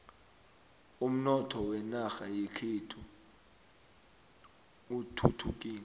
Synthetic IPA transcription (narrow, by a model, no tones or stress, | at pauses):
um̩nɔtʰɔwɛnaxajekʰitʰu | utʰutʰuk̬ʼiːni